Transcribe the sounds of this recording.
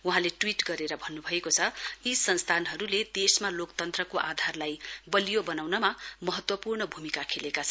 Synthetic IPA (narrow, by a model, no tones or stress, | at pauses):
uɦãleʈwiʈɡʌɾeɾʌbʱʌnːubʱʌekot͡sʰʌisʌnst̪ʰanɦʌɾuled̪esmalokt̪ʌnt̪rʌkoʔad̪ʱarlajbʌlijobʌnawnʌmamʌɦʌt̪wʌpurɳʌbʱumikakʰelekat͡sʰʌ